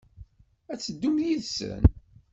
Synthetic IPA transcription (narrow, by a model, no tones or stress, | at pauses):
æt͡sːəd̪ːumjiðsə̰n